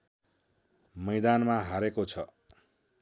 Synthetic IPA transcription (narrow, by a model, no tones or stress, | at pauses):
mʌjd̪anmaɦaɾekot͡sʰʌ